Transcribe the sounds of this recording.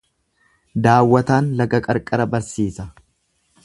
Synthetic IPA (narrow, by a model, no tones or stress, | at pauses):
d̪aːwːɐt̪aːnlɐɡɐkʼɐɾkʼɐɾɐbɐɾsiːsɐ